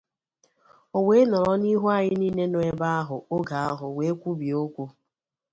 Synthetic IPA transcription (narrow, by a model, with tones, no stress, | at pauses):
o˨we˦nɔ˨ɾɔ˦ni˦ɦu˦a˨ɲɪ˦ni˦ne˦no˨˦e˦ba˦a˦ɦʊ˨o˦ɡa˨a˦ɦʊ˨we˨˦kʷu˦bi˨o˦kʷu˦